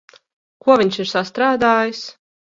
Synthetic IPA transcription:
kuɔvʲiɲʲsiɾsast̪ɾaːd̪aːjis

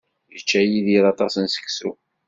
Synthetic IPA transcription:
jət͡ʃːæjiðiɾɑt̪ˤɑsənsə̥kːsṵ

